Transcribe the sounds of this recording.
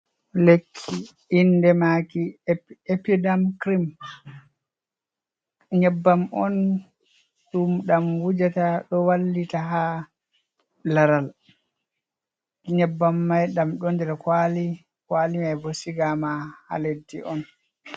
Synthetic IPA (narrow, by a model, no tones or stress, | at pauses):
lekʰːi | indɛmakiepidamkɾim | ɲɛbːamɔ̰n | ɗumɗamwud͡ʒataɗɔwalːitaɦa | laɾal | ɲɛbːamːajɗamɗɔndɛɾɛkwali | kwalimajbɔsiɡamaha̰ledːḭɔn